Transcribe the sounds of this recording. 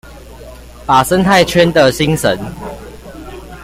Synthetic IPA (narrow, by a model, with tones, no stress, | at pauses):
pa˨˩sə˦nt̪ʰa˥˨ɪt͡ɕʰɥɛ˦nd̪ə˨ɕi˦ŋsə˨˦n